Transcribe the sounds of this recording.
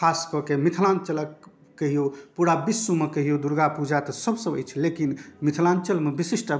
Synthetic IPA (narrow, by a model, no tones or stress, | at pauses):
kʰaskɔkemit̪ʰlant͡ʃələkː | əɦijopuɽabisːumekəɦijod̪uɾɡapud͡ʒʱat̪ɔsəbsəbə̰jt͡ʃʰlekinmit̪ʰlant͡ʃəlmebisisʈ